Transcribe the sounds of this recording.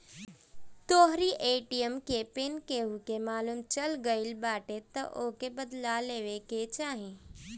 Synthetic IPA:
t̪oːɦɾiʔeːʈijəmkepenkeɦukemaːlumt͡ʃɐlɡəɪlbaːʈet̪ɐʔoːkebəd̪laleːʋeket͡ʃaːɦẽː

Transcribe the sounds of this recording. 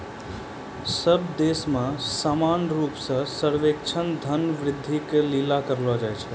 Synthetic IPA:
səbd̪esmãsamanɾupsə̃səɾʋek̚t͡ʃʰənd̪ʱənʋɾɪd̪ʱːiklilakəɾlɔd͡ʒajt͡ʃʰɛ

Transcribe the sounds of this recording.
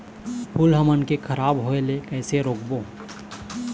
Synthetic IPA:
pʰʊlɦəmənkekʰəɾaːbɦoelekɛːseɾoːkboː

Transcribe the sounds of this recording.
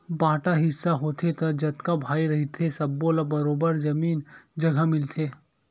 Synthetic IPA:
bãːʈaɦɪsːaɦoːt̪ʰet̪ɐd͡ʒɐt̪kabʱaːiɾɐɦit̪ʰesɐbːolabɐɾoːbəɾd͡ʒɐmiːnd͡ʒɐɡʱamɪlt̪ʰeː

